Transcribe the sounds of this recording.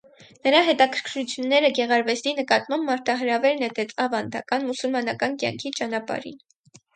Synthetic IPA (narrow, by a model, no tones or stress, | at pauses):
nəɾɑɦɛt̪ɑkʰəɾ̥kʰɾut͡sʰjunːɛɾəɡɛʁɑɾvɛsd̪inəkɑt̪mɑmbmɑɾt̪ʰɑɦəɾɑvɛɾnɛt̪ɛt͡sʰɑvɑnd̪ɑ̰kɑnmusulmɑnɑkɑnkjɑ̰ŋkʰit͡ʃɑnɑpɑ̰ɾḭn